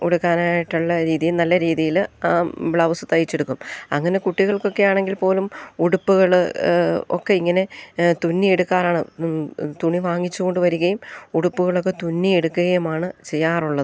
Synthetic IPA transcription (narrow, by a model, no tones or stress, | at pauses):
uɽukːaːnaːjiʈːuɭːɐɾiːðijilnɐlːɐɾiːðijil | bɭɐʋsɨt̪ɐjit͡ɕːeɽukːumɐ̰ŋːɐne̞kuʈːiɣɐɭko̞kːe̞jaːɳe̞ŋɡilpo̞ːlumuɽupːuɣɐɭ | o̞̰kːe̞iŋːɐne̞t̪unːieɽukːaːɾaːɳɨ̰ | t̪uɳiʋaːŋːit͡ɕːuɣo̞ɳɖɨʋɐɾuɣɐjumuɽupːuɣɐɭo̞kːe̞t̪unːieɽukːuɣɐjumaːɳɨt͡ɕe̞jːaːruɭːɐðɨ